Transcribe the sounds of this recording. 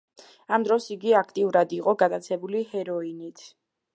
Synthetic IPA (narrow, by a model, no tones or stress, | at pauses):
amd̪ɾɔsiɡiakʰt̪ʼiuɾad̪iqʼɔɡat̪ʼat̪sʰɛbulihɛɾɔinit̪ʰ